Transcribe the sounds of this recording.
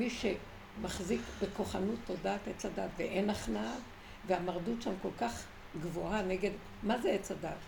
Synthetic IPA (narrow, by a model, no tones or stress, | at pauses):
miʃe | maχzikbeko̞χanut̪ːo̞daːtet͡sadatvḛʔenaχnal | veamaʁdutʃamko̞lkaχ | ɡvoaneɡe̞d̪ | mazeet͡sadat